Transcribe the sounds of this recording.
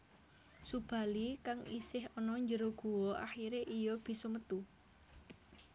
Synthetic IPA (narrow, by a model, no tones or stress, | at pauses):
sub̥a̤likaŋḭsɪɦɔnɔɲd͡ʒəɾoɡ̥o̤wɔʔa̰xiɾeʔijɔb̥i̤sɔmət̪u